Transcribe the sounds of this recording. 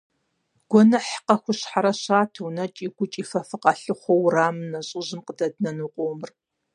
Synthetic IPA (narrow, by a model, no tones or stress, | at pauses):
ɡ̥ʷɔnɐħqɐxʷʊɕħaɾɐɕaːtʰɐwnɐt͡ʃʼiːɡʷʊt͡ʃʼiːfɐfɨqɐɬɨχʷɔwraːmɨnɐɕʼɪʑɪmqədɐdnɐnɨqʷʼoːmɨr